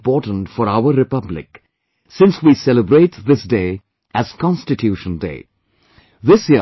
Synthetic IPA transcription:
pɔːʈn̩tfɔɾaʊəɾɪpʌblɪ̰k | sɪ̃nswiːsɛləbɾeɪtðɪsdeɪ | ʔæz̥kʰɑ̃nstɪtʰjuʃə̃ndḛː | ðɪsi

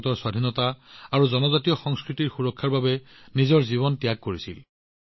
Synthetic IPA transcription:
tɔɹswadʱinɔtaaɹuzɔnɔzatijɔxɔŋskɹitiɹxuɹɔkʰːaɹbabɛ | nizɔɹziβɔntijakːoɹisḭl

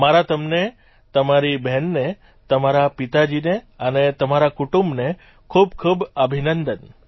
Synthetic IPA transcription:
maɾat̪əmne | t̪əmaɾibʱɛnːe | t̪əmaɾapit̪ad͡ʒineənet̪əmaɾakuʈũmbne | kʰub̚kʰubəbʱinənd̪ən

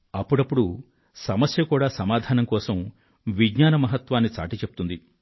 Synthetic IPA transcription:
ɐpːuɽɐpːuɽu | sɐmɐsjɐkuːɽaːsɐmaːd̪ʱaːnɐmkɔːsɐm | ʋiɡɲaːnɐmɐɦɐt̪ʋaːnːit͡ʃa̰ːʈit͡ʃepu̥t̪und̪i

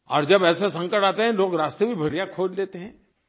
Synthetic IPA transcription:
ɔːɾd͡ʒɐbɛːsesɐ̃ŋkəʈaːt̪eɦɛ̃loːɡɾaːst̪ebʱibʱɐɾijakʰoːd͡ʒleːt̪eɦɛ̃ː

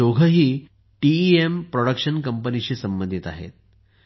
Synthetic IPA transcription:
oɡʱəɦiː | ʈiiempɾoɽəkʂənkəmpənit͡ɕiːsəmbənd̪ʱit̪a̰ɦḛt̪̚

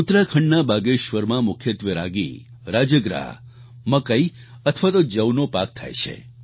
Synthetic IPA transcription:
ut̪ɾakʰəɳɖnabaɡeʃʋəɾmãmʊkʰjət̪ʋjəɾaɡḭ | ɾad͡ʒəɡɾa̰ | məkəiət̪ʰʋat̪od͡ʒəwnopak̚t̪ʰa̰jt͡ʃʰḛ

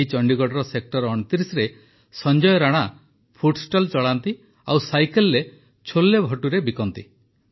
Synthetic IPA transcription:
it͡ʃɔɳɖiɡɔɽɔɾɔsek̚ʈɔɾɔɽ̃t̪iɾisɾe | sɔnd͡ʒɔjɔɾaɽ̃a | pʰuʈsʈɔlt͡ʃɔɭant̪i | awsajkelːe | t͡ʃʰolːebʱɔʈuɾebikɔnt̪i

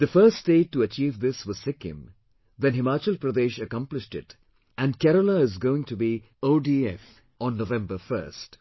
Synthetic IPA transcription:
d̪əfəːsdeːʈːuət͡ʃiːʋd̪ɪsʋʌz̥sɪkɪ̰̃m | ðɛ̃nɦɪmaːt͡ʃəlpɾəd̪eːʃəkʌ̃mplɪʃʈɪt | ʔæ̃n̚kɛɾəlaɪzɡoːɪ̃ŋʈubi | oːɖiɛf | ɔ̃nːoʋɛ̃mbəfə̰ɾst

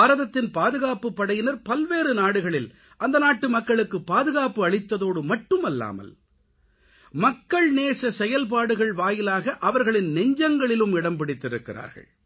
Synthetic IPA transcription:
ɾɐðɐt̪ːɪnpaːðɯɣaːpɯpːɐɽɐjɪnɐɾpɐlʋeːɾɯnaːɽɯɣɐɭɪl | ʔɐnd̪ɐnaːʈːɯmɐkːɐɭɯkːɯpːaːðɯɣaːpɯɐɭɪt̪ːɐðoːɽɯmɐʈːɯmɐlːa̰ːmɐ̰l | mɐkːɐɭneːsɐsɛjɐlp̬aːɽɯɣɐɭʋaːjɪlaːɣɐʔɐʋɐɾɣɐɭɪnːɛɲd͡ʒɐŋɡɐɭɪlɯmɪɽɐmpɪɽɪt̪ːɪɾɯkːɪra̰ːɾɣɐ̰ɭ

